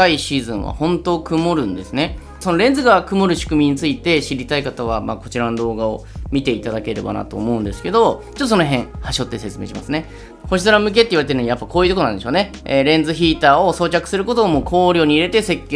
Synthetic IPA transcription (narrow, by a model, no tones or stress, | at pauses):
aiɕiːzɨ̃ɰ̃βa̰hõ̞nt̪o̞ːkɯ̟mo̞ɾɯ̟̃nd̪e̞sɨne̞ | so̞no̞ɾẽ̞nd͡zzɨɡakɯ̟mo̞ɾɯ̟ɕi̥kɯ̟mʲiɲ̟it͡sɨit̪e̞ɕiɾʲit̪aikat̪aβ̞amaːko̞t͡ɕiɾanod̪o̞ːɡaomʲit̪e̞it̪ad̪ake̞ɾe̞̰ba̰na̰t̪o̞̰ːmo̞ɯ̟nd̪e̞sɨ̥ke̞d̪o̞t͡ɕot̪ːosonoɦẽ̞ɰ̃haɕo̞t̪ːese̞t͡sɨme̞ːɕima̰sɨne̞ | ho̞ɕisɨɾamɯ̟k̬e̞t̪ːeiβaɾet̪enijapːako̞ːjɯ̟t̪oonãnd̪eɕoːne̞ | eɾẽ̞nd͡zɨçiːt̪aːo̞so̞ːt͡ɕakɯ̥sɨɾɯ̟ko̞t̪o̞ːmoːkʰo̞ːɾʲo̞ːɲ̟iːɾe̞t̪e̞se̞kʲːe